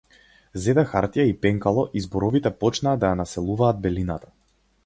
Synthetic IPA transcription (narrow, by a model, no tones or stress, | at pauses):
zɛd̪axaɾt̪ijaipɛŋkalˠɔʔizbɔɾɔvit̪ɛpɔt͡ʃnaːd̪ajanasɛlˠuvaːd̪̚bɛlinat̪ḁ